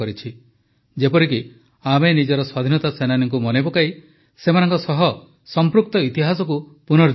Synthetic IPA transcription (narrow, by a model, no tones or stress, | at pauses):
ɔɾit͡ʃʰi | d͡ʒepɔɾik̬i | amenid͡ʒɔɾɔswad̪ʱinɔt̪asenaniŋk̬umɔnebɔkai | semanɔ̃ŋkɔsɔɦɔ | sɔmpɾuk̚t̪ɔit̪iɦasɔk̬upunɔɾd͡ʒ